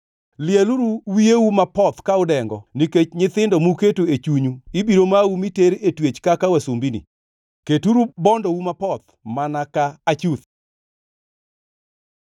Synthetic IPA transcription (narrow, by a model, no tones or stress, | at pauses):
lɪɛluɾuwiewumapɔt̪kaʊdɛŋɡɔniket͡ʃɲɪt̪ɪndɔmuketoet͡ʃuɲuibiɾomaumiteɾetwet͡ʃkakawɛsombinḭ | ketuɾubɔndɔwumapɔt̪ | manakaat͡ʃut̪